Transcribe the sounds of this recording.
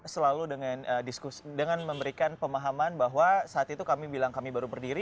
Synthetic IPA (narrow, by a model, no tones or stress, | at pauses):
səlaludəŋanədiskusidəŋanməmbəɾikanpəmaɦamanbaɦwasaːt̪it̪ukamibilaŋkamibaɾubərdiɾi